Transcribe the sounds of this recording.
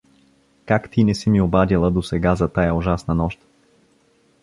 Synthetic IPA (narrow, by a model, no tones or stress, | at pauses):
kakt̪inɛsimiobad̪ilˠəd̪osɛɡazɐt̪ajaʊʒasnɐnɔʃt̪